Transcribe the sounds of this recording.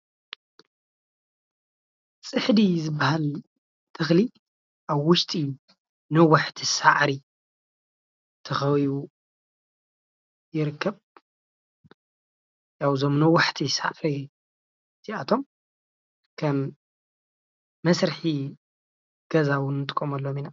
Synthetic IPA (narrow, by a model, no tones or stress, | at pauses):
t͡sʼɨħd̪izɨbːahal | t̪ʰɨxli | ʔaβːʊʃt̪ʼiu | nɐwaħt̪ʰisaʕɾi | t̪ʰɐxɐwiβu | jɪɾɨkʰːɐβ | jawzomnɐwːaħt̪ʰisa̰ʕɾi | t̪ʰiat̪ʰo̞m | kʰɐm | ɐsɾɨħi | ɡ̥ɐzawʊnːɨt̪ʼɨkʼːomɐlːomina